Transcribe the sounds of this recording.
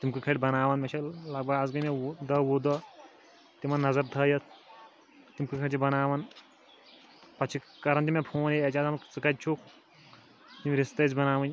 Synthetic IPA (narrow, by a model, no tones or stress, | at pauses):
t̪imkɨkʰɐʈʲbɐnaːʋɐnmɐt͡ʃʰɐlɐɡ̚bʱɐɡad͡zɡɐmed̪ɐwoːd̪ɐ | t̪imɐnːɐzɐɾt̪ʰɐjɐt̪ʰ | t̪imkɨkʰɐʈt͡ʃibɐnaːʋɐn | pɐt͡ʃʰi | kɐɾɐnt̪imepʰoːneɐt͡ʃaːzɐmt͡sɨkɐt̪̚t͡ʃʰuk | t̪imɾist̪ɐt͡sbɐnaːʋɐnʲ